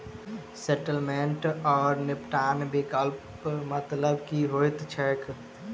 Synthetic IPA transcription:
sɛʈəlmeɳʈɔːɾnɪpʈaːnbekəlp | mət̪ləbkiɦoːjt̪t͡ʃʰɛk

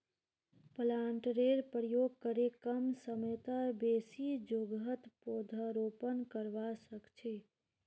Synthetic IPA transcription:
pəlaɳʈɾeɾpɾəjoɡ̚kəɾekəmsəmet̪abesid͡ʒoɡət̪pod̪ʱəɾopənkəɾʋasəkt͡ʃʰi

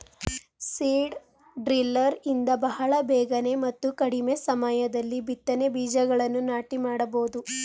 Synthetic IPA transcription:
siːɖ | ɖɾilːɐɾind̪ɐbɐɦɐɭɐbɛːɡɐne̞mɐt̪ːukɐɽime̞sɐmajɐd̪ɐlːibit̪ːɐnebiːd͡ʒɐɡɐɭɐnːunaːʈimaːɽɐboːd̪u

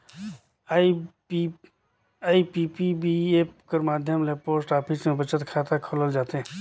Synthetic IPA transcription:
i | i | aːipipibieːpkəɾmaːd̪ʱjəmlepoːsʈaːpʰismẽbʱət͡ʃət̪kʰaːt̪ʰakʰoləld͡ʒaːt̪eɦɛ̃

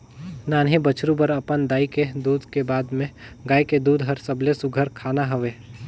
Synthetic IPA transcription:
naːnɦibət͡ʃʰɾubəɾɐpənd̪aːiked̪uːd̪ʱkebaːd̪mẽɡaːiked̪uːd̪ʱɦəɾsəblesʊɡʱəɾkʰaːnaɦəʋeː

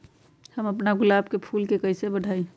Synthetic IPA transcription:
həməpnaɡʊlaːbkepʰuːlkekəɪsebəɽʱaːi

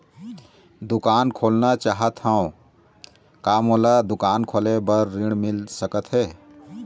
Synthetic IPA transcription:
d̪ukaːnkʰoːlnat͡ʃaɦət̪hãõ | kamolad̪ukaːnkʰoːlebəɾːiɽ̃milsəkət̪ɦe

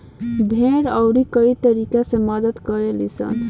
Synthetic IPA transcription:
bʱeɽʌwɾikʌit̪ʌɾikasẽmʌd̪ət̪kʌɾelisʌ̰n

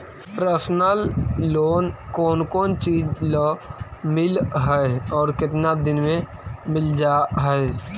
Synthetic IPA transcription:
pɾəsnəlːoːnkɔːnkɔːnt͡ʃiːd͡ʒlomɪlɦɛeɔːɾkɪt̪nad̪ɪnmẽmɪld͡ʒaːɦɛɛ

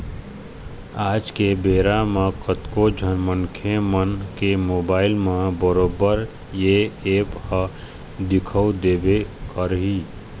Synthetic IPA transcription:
aːd͡ʒkebeːɾamẽkət̪kod͡ʒʱənmənkʰemənkemoːbaːɪlmẽbəɾoːbəɾ | jeeːphə | d̪ɪkʰəwd̪ebekəɾɦi

